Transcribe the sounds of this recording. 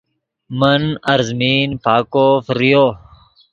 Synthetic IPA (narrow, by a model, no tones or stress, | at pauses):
mənɐɾzmiːnpʰaːkoːfɾijoː